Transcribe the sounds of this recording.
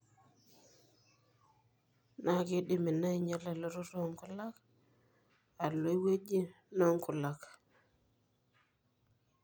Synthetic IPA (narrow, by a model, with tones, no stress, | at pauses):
na˨ki˦ɗi˨mi˨na˦i˨ɲa˦la˨lo˦ɾu˦ɾo˦ŋkʊ˦la˦k | a˨lo˦i˦we˦d͡ʒi˦ | na˦ŋku˨la˨k